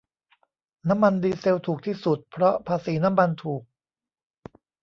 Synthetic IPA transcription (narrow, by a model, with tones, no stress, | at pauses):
na˦˥mːa˧ndiː˧se˧wt̪ʰuː˨˩k̚t̪ʰiː˥˩su˨˩t̪̚pʰɾɔ˦˥pʰaː˧siː˩˦na˦˥mːa˧nt̪ʰuː˨˩k̚